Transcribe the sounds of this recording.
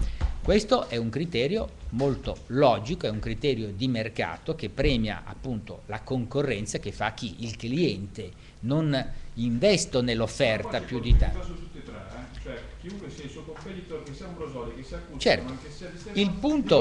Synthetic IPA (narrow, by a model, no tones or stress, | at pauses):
kwest̪oʔɛuŋkɾit̪ɛːɾjomolt̪olɔːd͡ʒikoɛuŋkɾit̪ɛːɾjod̪imerka̰ːt̪ok̟epːɾɛːmja̰a̰pːunt̪o̰lakoŋkorːɛnt̪sak̟efːak̟ːiʔilkliɛnt̪e | noniɱvɛst̪onelːofːɛrt̪apjud̪it̪at̪ut̪ːit̪ɾat͡ʃoɛk̟iuŋkwesɛilsuokompet̪it̪oɾkesiauɾozɔd̪okesiakːut͡ʃɛrt̪kesia | ilpunt̪o